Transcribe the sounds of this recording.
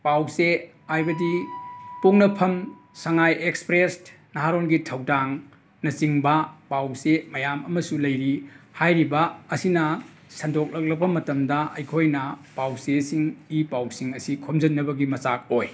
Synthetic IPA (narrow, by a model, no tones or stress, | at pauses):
pawse | ajbɐdipuŋnɐpʰɐm | sɐŋajekspɾes | nɐɦaɾonɡitʰɐwtaŋ | nɐt͡ʃiŋbɐpawsemɐjamɐmɐsulɐjɾihajɾibɐːsinɐ | sɐndok̚lɐk̚lɐk̚pɐmɐtɐmdɐʔɐjkʰojnɐpawsesiŋipawsiŋɐsikʰomzɐnːɐbɐɡimɐsak̚oj